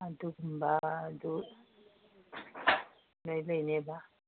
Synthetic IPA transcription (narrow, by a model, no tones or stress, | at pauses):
adukumbadu | lɛlɛnɛba